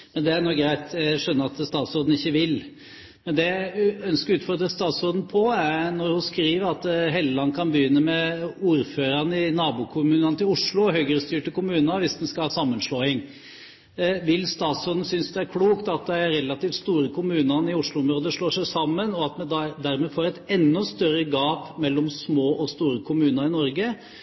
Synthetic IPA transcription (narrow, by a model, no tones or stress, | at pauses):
mɛnd̪ɛænɔk̚ɡɾæɪt̪jæʂœnːəɾɑt̪st̪ɑːt̪sɔːd̪n̩ɪçːəʋɪl | mɛnd̪ɛjæœnskəɾʉːt̪fɔɾd̪ɾəst̪ɑːt̪soːd̪n̩pʰɔæɾnɔɾhʊnskɾiːʋəɾɑt̪ɦɛlːəlɑnːkʰɑnbəjʏnːəmɛuːɾføːɾɑnəɪnɑːbʊkʰʊmʉːnɑnət̪ɪlʊʂlʊɦœʏɡɾəst̪yːʈəkʊmʉːnɑʋɪsd̪ɛnskɑlhɑːsɑmːənʂloːɪŋː | ʋɪlːst̪ɑːt̪sɾɔːd̪n̩sʏnsd̪ɛæɾkʰluːkt̪ɑt̪̚d̪ɛæɾɛlːɑt̪iːft̪st̪uːɾəkʰʊmʉːnɑnɪʊʂɭʊɔmɾoːd̪əʂlɭoːʂæɪsɑmːənɔɑt̪mɛd̪ɑd̪æɾmeːfoːɾɛɪt̪ɛnːɔst̪œɾəɡɑːpmɛlːɔmsmoːʔɔst̪uːɾəkʰʊmʉːnəɾɪnɔɾɡə